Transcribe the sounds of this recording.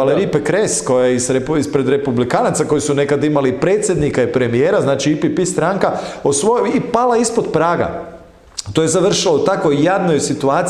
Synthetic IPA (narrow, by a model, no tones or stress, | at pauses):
aleɾipekɾesko̞jaeiseispɾe̞d̪ɾe̞publikaːnat̪sako̞jisune̞kad̪imalipɾe̞ːt̪sʲjed̪nikaipɾe̞mijeːɾaznaːt͡ʃiipipist̪ɾaŋkaosʋoipalaispo̞d̪pɾaːɡa̰ | t̪oje̞zaʋr̩ʃilout̪akʋo̞jːadno̞jsit̪uaːt̪s